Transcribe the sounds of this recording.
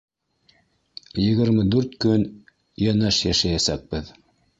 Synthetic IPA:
jɘ̆ɣɘ̆ɾmɘd̪ʉɾt̪kɵn | jænæʃjæʃæjæsæk̚b̥ɘð

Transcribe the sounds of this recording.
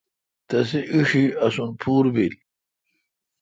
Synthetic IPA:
t̪ɐs̬iʔiʂiɐsunpʰuːɾbil

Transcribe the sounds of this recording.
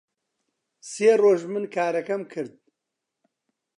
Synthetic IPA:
seːroːʒmɨnkʰaːɾɐkɐmkʰɨɾd̪̚

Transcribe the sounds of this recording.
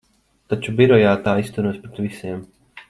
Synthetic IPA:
t̪at͡ʃubiɾɔjaːt̪aːist̪uɾuɔspɾet̪ʋisʲiɛm

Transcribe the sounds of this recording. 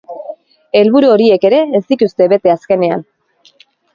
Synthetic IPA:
e̞lβuɾuo̞ɾie̞ke̞ɾe̞ːst̪it̪ust̪e̞βe̞t̪e̞aske̞ne̞a̰n

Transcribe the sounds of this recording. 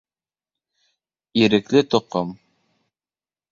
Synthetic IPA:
iɾɘ̆klɘt̪ŏqom

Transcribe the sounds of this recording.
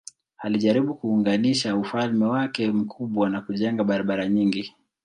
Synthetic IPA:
haliʄaɾiɓukuːŋɡaniʃaufalmɛwakɛm̩kʰuɓwanakuʄɛŋɡaɓaɾaɓaɾaɲiŋɡi

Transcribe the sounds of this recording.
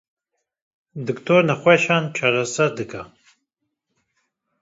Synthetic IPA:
d̪ɨkt̪ʰoːɾnɐχʷɛʃaːnt͡ʃʰaɾasɐɾd̪ɨkʰa

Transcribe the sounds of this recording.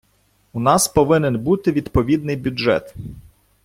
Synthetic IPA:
unɑspɔʋɪnɪnbut̪ɪʋʲid̪pɔʋʲid̪̚nɪjbʲʊʒɛ̰t̪

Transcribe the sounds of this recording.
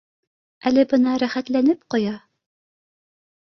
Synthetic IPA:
ælɘbɤnɑɾæχæt̪lænɘpqŏjɑ

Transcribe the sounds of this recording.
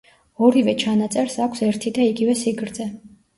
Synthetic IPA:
ɔɾivɛt͡ʃʰanat̪sʼɛɾsakʷʰsɛɾt̪ʰid̪aiɡivɛsiɡɾd̪zɛ

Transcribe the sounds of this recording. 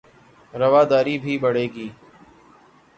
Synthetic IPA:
ɾəʋaːd̪aːɾiːbʱiːbəɽeːɡiː

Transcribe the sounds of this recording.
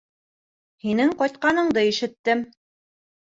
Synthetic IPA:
hinɘŋqɑjt̪̚qɑnɤ̆ɴd̪ɤiʃɘ̆t̪ːɘm

